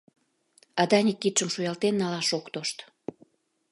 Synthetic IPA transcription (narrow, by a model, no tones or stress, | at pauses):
ɑd̪ɑnʲikːit̪ʃəmʃujɑlt̪enːɑlɑʃokt̪oʃt̪